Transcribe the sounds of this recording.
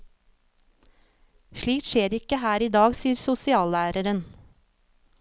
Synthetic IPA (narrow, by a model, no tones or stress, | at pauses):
ʃɭiːk̚t̪ʃeːɾɪkəhæːɾiːd̪ɑːɡsiːəɾsʊsɪɑːlæːɾəɾən